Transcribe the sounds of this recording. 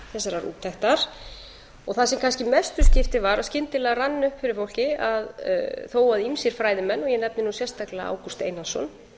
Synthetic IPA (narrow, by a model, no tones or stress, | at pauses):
θɛsːaɾaɾṵːt̪ʰɛht̪aɾ̥ | ɔɣθaðsɛmkʰanscɪmɛst̪ʏscɪft̪ɪvaɾascɪnt̪ɪlɛːɣaranːʏhpfɪɾɪɾfowl̥cɪað̰θoːwaðimsjɛɾ̥fɾaːjðɪmɛnːɔjɛnɛp̚nɪnusjɛrst̪aklaa̰ːwkɔst̪ḛːjnasɔ̰n